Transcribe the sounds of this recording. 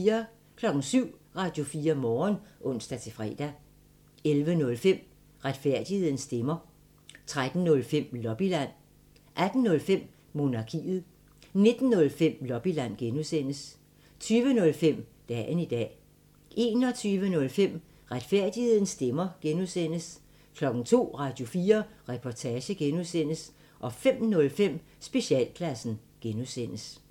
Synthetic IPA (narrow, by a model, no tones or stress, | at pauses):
ɐ | kʰlɒ̽ɡ̥ŋ̩syʊ̰ʁɑ̈ːd̥jo̝fiːɐmɒːnʔɔ̽n̰sd̥æt͡sʰe̝fʁɛ̰ːd̥æ | elʋənɔ̽lfem̰ | ʁad̥fæɐ̰d̥ihe̝ð̞̰ˠn̩sd̥emɐ | t͡sʰʁad̥n̩nɔ̽lfem̰lɒ̽b̥ilæn̰ | ʔæd̥n̩ːɔ̽lfem̰ | mo̝nɑ̈kʰḭːð̞̩ˠ | ne̝d̥n̩ːɔ̽lfem̰lɒ̽b̥ilæn̰ɡ̥enusen̰əs | t͡sʰyːʋənɔ̽lfem̰d̥ɛ̰ːnid̥ɛ̰ː | ʔe̝ːnɒ̽t͡sʰyːʋənɔ̽lfem̰ | ʁad̥fæɐ̰d̥ihe̝ð̞̰ˠn̩sd̥emɐɡ̥enuðˠsen̰əs | kʰlɒ̽ɡ̥n̩t͡sʰo̝̰ːʁɑ̈ːd̥jo̝fiːɐʁɛpʰɒt͡sʰɛːɕəɡ̥enuðˠsen̰əs | ʔɒ̽fem̰nɔ̽lfem̰ | sb̥e̝ɕiɛ̰ːlpʰlæsn̩ɡ̥enusen̰əs